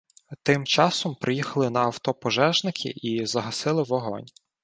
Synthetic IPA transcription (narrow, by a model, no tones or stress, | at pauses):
t̪ɪmt͡ʃɑsɔmpɾʔɪjixɐlˠɪnɐːwt̪ɔpɔʒɛʒnɪkʰɪ̰ʔizɐɦɐsɪlˠɪwɔɦɔ̰nʲ